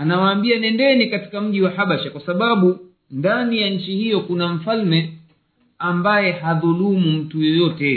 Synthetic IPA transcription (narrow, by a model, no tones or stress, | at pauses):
anawaːmbianɛndɛnikati̥kam̩ʄiwahaɓaʃakwasaɓaɓu | ndanijaɲ̩t͡ʃihijɔkunam̩falmɛ | ambajɛhaðulumum̩tujɔjɔtɛ